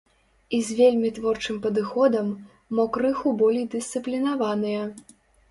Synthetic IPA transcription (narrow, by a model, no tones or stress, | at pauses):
izʲvʲelʲmʲit̪vɔrt͡ʂɨmpɐd̪ɨxɔd̪ɐmː | ɔkɾɨxubɔlʲejd̪ɨsʲt̪sɨplʲinavanɨjɐ